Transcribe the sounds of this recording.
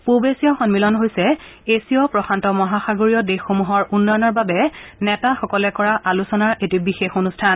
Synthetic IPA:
pubesijɔxɔnmilɔnɦojsɛ | esiɔpɹɔxʰantɔmɔɦaxaɡoɹijɔdexːomuɦɔɹunːɔjɔnɔɹbabɛnɛtaxɔkɔlɛkɔɹaʔalusɔnaɹʔetibixexonustʰan

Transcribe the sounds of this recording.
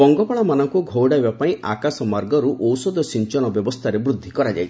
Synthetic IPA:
ɔŋɡɔpaɭamanɔŋkuɡʱowɽajbapaĩa̰kasɔmaɾɡɔɾuʔɔwsɔd̪ʱɔsint͡ʃɔɽ̃ɔbjɔbɔst̪ʰaɾebɾud̪ʱːikɔɾad͡ʒa̰j

